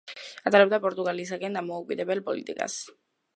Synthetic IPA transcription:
at̪aɾabd̪apoɾt̪uɣalis̬akɛnd̪amoːkwid̪ɛβɛlpolḭt̪ika̰s

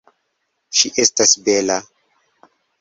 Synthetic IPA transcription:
ʃiʔestasbela

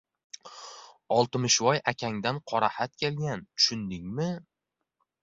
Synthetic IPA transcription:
ɒlˠt̪ɪmɪʃvɒjakʲʰaŋd̪anqʰɒɾahat̪̚kʲe̞lɡʲant̪ʰʊ̥ʃʊnd̪ɪŋmɪ

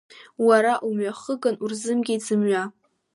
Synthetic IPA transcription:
waɾaʔumɥaχəɡanurzɨmɡʲid͡zɨmɥa

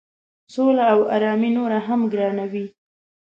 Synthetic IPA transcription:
solaːwa̰ɾɑminoɾaɦamɡɾɑnawi

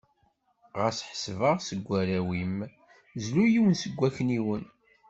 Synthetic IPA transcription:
ʁəsħə̥svəʁsəɡʷːæɾæwim | zlujiwənsəɡʷːæçniwən

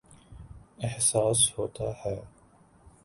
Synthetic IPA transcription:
ɪhsaːshoːt̪ahɛː

